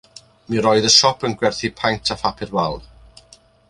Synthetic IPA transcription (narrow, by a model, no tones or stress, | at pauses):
miɾɔjðəʃɔpʰənɡwɛrθipʰajntʰafapʰɪrwalˠ